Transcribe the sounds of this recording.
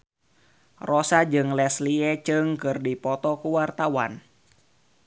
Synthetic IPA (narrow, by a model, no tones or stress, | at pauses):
rɔsad͡ʒɨŋlɛsliɛt͡ʃɨŋkɨrdipɔt̪ɔkuwart̪awa̰n